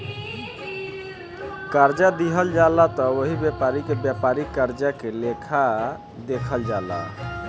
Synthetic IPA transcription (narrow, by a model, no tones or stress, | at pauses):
kaɾd͡ʒad̪iɦəld͡ʒalat̪ɔoɦibjapaɾikebjapaɾikaɾd͡ʒakelekʰa | d̪ekʰəld͡ʒala̰